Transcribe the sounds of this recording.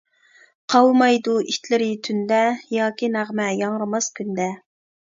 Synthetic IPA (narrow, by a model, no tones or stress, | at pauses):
qʰɑwmɑjd̪uʔit̪ʰlɪɾɪt̪ʰynd̪ɛjɑːkʲinæʁmɛjɑŋɾɨmɑskʲʰynd̪ɛ